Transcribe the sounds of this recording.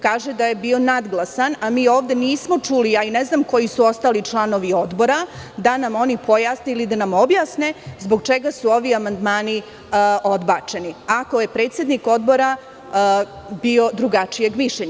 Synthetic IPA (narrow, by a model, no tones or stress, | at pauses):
kaːʒed̪ajebio̞nad̪ɡlˠasanamiːo̞ːʋd̪e̞niːsmo̞t͡ʃuliaineznamko̞jisuo̞st̪aːlit͡ʃlˠano̞ʋio̞d̪bo̞ɾad̪anamo̞nipo̞jaːsneilid̪anamo̞bjaːsne̞zbo̞ɡt͡ʃe̞ɡasuo̞ʋiamand̪maːni | o̞d̪bat͡ʃe̞niako̞je̞pɾet̪sje̞d̪niko̞d̪̚bo̞ɾa | bio̞d̪ɾuɡat͡ʃije̞ɡmiʃʎeɲa